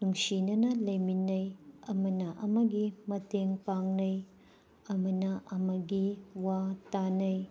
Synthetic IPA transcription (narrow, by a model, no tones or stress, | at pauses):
nuŋsinɐnɐlɐjminːɐjɐmɐnɐʔɐmɐɡimɐteŋpaŋnɐj | ɐmɐnɐʔɐmɐɡiwatanɐj